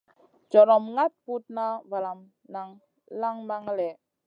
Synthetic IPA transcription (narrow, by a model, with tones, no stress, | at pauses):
t͡ʃɔ˨ɾɔ˨mŋa˦t̪̚pu˦t̪̚na˦va˨la˨m | na˨ŋ | la˦ŋma˦ŋ˦lɛ˨